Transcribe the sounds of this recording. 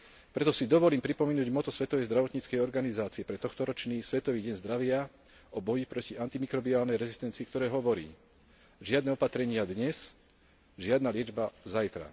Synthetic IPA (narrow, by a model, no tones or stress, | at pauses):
pɾɛt̪ɔsid̪ɔʋɔliːmpɾipɔminuːɟmɔt̪ɔsʋɛt̪ɔʋɛjzd̪ɾaʋɔt̪ɲit͡skɛjɔɾɡanizaːt͡siɛpɾɛt̪ɔxt̪ɔɾɔt͡ʃniːsʋɛt̪ɔʋiːɟɛnzd̪ɾaʋɪa | ɔbɔjipɾɔciant̪imikɾɔbiaːlnɛjɾɛzist̪ɛnt͡siːkt̪ɔɾɛːɦɔʋɔɾḭː | ʒɪad̪nɛːɔpat̪ɾɛɲɪad̪ɲɛs | ʒɪad̪naːlɪɛd͡ʒbazajt̪ɾa̰